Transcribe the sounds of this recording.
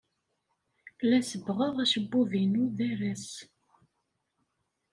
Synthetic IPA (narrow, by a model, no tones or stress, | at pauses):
læsəbʁəʁæʃəbːuvinuðæɾæs